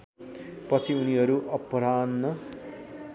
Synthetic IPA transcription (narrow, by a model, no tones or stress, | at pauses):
pʌt͡sʰiuniɦʌɾuʔʌpɾanːʌ